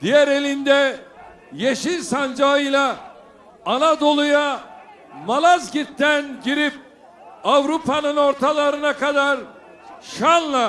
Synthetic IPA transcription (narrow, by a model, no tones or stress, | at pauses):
d̪ijæɾe̞lʲind̪ɛ | jeʃinsand͡ʒaɯjlˠaː | nad̪o̞lˠuja | malˠazɟit̪ʰːænɟiɾip̚ | avɾupʰanɯno̞ɾt̪ʰalˠaɾɯnakad̪aɾ | ʃanlˠa